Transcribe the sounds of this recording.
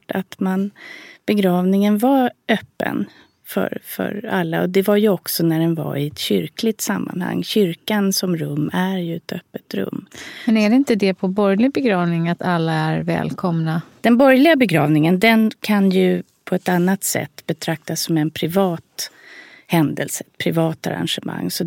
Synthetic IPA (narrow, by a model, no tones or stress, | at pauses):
ʈat̪manb̥ɛɡɾɑːvnɪŋənvaœːpːə̰n | fœ̰ɾfœ̰ɾalːa̰ɔd̪ɛvaɾjɵɔksɔnæɖɛnva̰ɪɛt̪ɕʏɾklɪɡ̚t̪samːa̰nha̰ŋːɕʏɾkansɔmɾɵmːæɾjɵɛt̪ʰœpːət̪ɾɵ̰mːmɛnæɖɛɪnt̪əd̪ɛpʰɔbɔɾjlɪɡ̚bɛɡɾɑːvnɪŋat̪alːaæɾvɛ̰ːlkʰɔmnad̪̥ɛnbɔɾjlɪɡabɛɡɾɑːvnɪŋənd̪ɛnkʰanjɵ | pʰɔɛt̪anːat̪sɛ̰t̪ːbɛt̪ʰɾak̚t̪asːɔmɛnpʰɾɪvɑːt̪ | hɛnd̪əlsəɛt̪pʰɾɪvɑːt̪a̰ɾa̰nʂɛma̰ŋːsɔ